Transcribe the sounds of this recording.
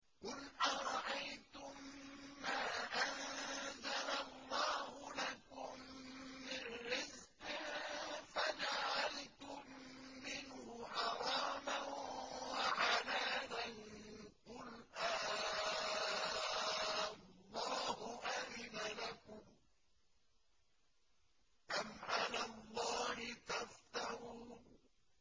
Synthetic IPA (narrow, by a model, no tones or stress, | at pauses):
qʊlʔaɾˤɑʔajt̪ʊmːaːʔanzalalˤːɑːhʊlakʊmː | ɪnːɪzqɪfad͡ʒaʕalt̪ʊmːɪnhʊʔɑɾˤɑːmawaʕanaːlanqʊlʔaː | lˤːɑːhʊʔamɪnalakʊm | ʔamʔanalˤːɑːhɪt̪aft̪ɑɾuː